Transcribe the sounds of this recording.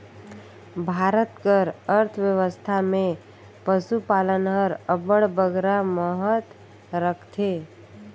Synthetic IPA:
bʱaɾət̪kəɾəɾt̪ʰʋjəʋəst̪ʰame | pəsupalənɦəɾəbəɽbəɡɾaməɦət̪ | ɾəkʰt̪ʰe

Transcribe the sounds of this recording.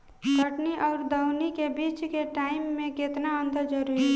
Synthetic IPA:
kəʈniʔɔːɾd̪əʊnikebiːt͡ʃkeʈaːɪmːẽkɪt̪naənd̪əɾd͡ʒəɾuɾi

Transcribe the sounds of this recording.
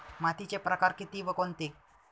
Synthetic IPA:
mat̪it͡ɕepɾəkaɾkit̪iʋəkont̪ik

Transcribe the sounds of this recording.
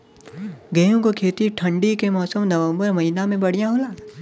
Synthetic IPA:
ɡɐjõkokʰeːt̪iʈʰɐ̃ɳɖikemɔːsəmnɐʋə̃mbəɾmɐɦinamẽbɐɽijãɦoːlaː

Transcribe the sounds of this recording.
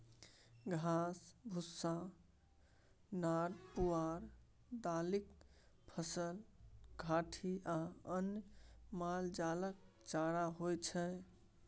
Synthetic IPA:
ɡʱasbʱusːã | naɾpuaɾ | d̪alik | pʰəsəlɡʱaʈʰiʔaənjmald͡ʒalək̚ | t͡ʃaɾaɦojt͡ʃʰɛ

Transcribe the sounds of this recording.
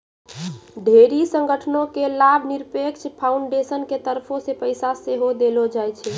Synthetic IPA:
ɖʱeɾisəŋɡəʈʰnõkelabʱniɾpekt͡ʃpʰauɳɖesənket̪əɾpʰosepəɪsaseɦod̪elod͡ʒajt͡ʃʰɛ

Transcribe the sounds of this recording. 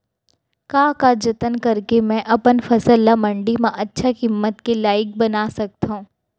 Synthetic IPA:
kaːkad͡ʒɐt̪ənkɐɾkemɛ̃ʔɐpənfɐsəlːamɐ̃ɳɖimãʔɐtːʃʰakɪmːət̪kelaːɪk̚bɐnaːsɐk̚t̪ɦũː

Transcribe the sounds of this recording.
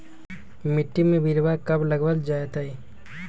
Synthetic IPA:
mɪʈːimẽbʱiɾbakəbləɡʋəld͡ʒajt̪ai

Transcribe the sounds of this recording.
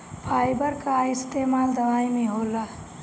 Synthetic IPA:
pʰaːjbəɾkaɪst̪eːmaːld̪əʋaːimẽɦoːla

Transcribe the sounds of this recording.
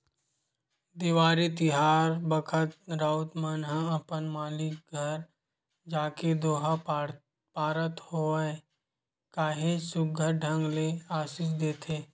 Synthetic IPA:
d̪iʋaːɾit̪ɪɦaːɾbəkʰət̪ɾaːʊt̪mənɦãɐpənmaːlɪk̚ɡʱəɾ | d͡ʒaːked̪oːɦa | paːɾət̪hoːɛ | kaːɦesʊk̚ɡʱəɾɖʱə̃ŋɡleaːʃiːʃd̪eːt̪ʰeː

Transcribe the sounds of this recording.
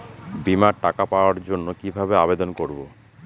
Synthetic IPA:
bimaɾʈakapaoaɾd͡ʑonːokibʱabeabed̪onkoɾbo

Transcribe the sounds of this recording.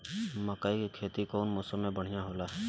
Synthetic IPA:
məkaːikikʰeːt̪ikoːnmoːsəmːẽbəɽ̤ijãɦoːlaɦɛː

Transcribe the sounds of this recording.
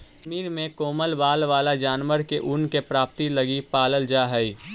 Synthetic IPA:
ʃmiːɾmẽkoːməlʋaːlʋaːlad͡ʒaːnʋəɾkeʔʊnkepɾaːp̚t̪ilɐɡipaːləld͡ʒaːɦɛi

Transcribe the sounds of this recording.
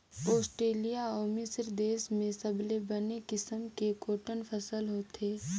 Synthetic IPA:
ɔːsʈɾeːlijaɔːmɪsəɾd̪eːsmẽsəblebɐnekɪsəmkekoːʈənpʰɐsəlɦoːt̪ʰeː

